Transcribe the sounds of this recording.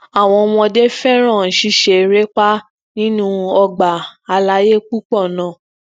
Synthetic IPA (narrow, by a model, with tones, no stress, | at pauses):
a˨w̃ɔ̃˧wɔ̃˧de˦fɛ˦ɾ̃ã˦˨n̩˨ʃi˦˧ʃe˨˧ɾe˦k͡pa˦ | nĩ˦nũ˦ɔ˧ɡ͡ba˨a˧la˧˦je˦k͡pu˦k͡pɔ˦˨nã˨